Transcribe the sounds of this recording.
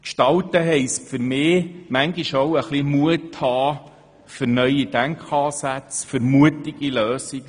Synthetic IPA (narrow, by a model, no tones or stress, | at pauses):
kʃtɑwtəɦɛɪsfʏɾmɪːmæŋɡiʃowəχlimuəthɑː | fəɾnœʏidæŋkχɑːsæt͡sfʏɾmuətiɡiløːsiɡ̥